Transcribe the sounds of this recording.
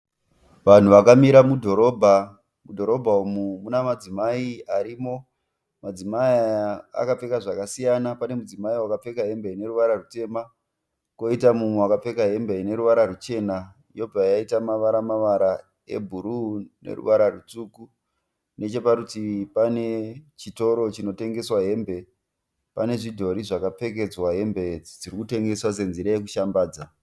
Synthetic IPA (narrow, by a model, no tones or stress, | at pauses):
ʋan̤uʋakamiɾamudʱo̞ɾo̞ːbʱa | mudʱo̞ɾo̞bʱaumumunamad͡zimaiaɾiːmo̞ | mad͡zimaiaa̰kap͡fe̞kaʐakasijanapane̞mud͡zimaiwakap͡fe̞kaɦe̞mbeine̞ɾuʋaɾarute̞ma | ko̞itamumwewakap͡fe̞kaɦe̞mbeine̞ɾuʋaɾarut͡ʃe̞na | ijo̞b͡vajaitamaʋaɾamaʋaɾa | e̞̰bʱuɾune̞̰rṵʋaɾarut͡suku | ne̞t͡ʃe̞paɾutipane̞t͡ʃito̞ɾo̞t͡ʃino̞te̞ŋɡe̞swaɦe̞mbe̞ | pane̞ʐidʱo̞ɾiʐakap͡fe̞k̬e̞d͡zwaɦe̞mbe̞d͡zirikute̞ŋɡe̞swas̬e̞nziɾajek̬uʃambaːd͡za